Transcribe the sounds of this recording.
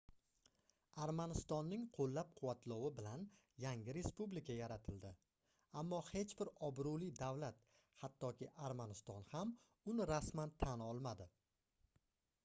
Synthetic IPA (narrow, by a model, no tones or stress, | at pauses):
aɾmanɪst̪ɒnːɪŋqʰolːap̚qʰʊwat̪ʰlɒwɪbɪlan | jaŋʲɪɾe̞spublɪkʲʰajaɾat̪ʰɪld̪ɪ | amːɒhe̞t͡ʃbɪɾɒbɾulɪd̪awlat̪ | hat̪ʰːɒkʲʰɪʔaɾmanɪst̪ɒnham | ʊnɪɾasmant̪ʰanɒlˠmad̪ɪ